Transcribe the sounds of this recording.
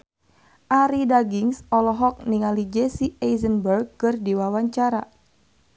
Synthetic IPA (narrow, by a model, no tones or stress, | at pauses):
ʔaɾidaɡiŋsɔlɔɦɔk̚niŋalid͡ʒesiejzənbərɡ̚kɨrdiwawaɲt͡ʃaɾa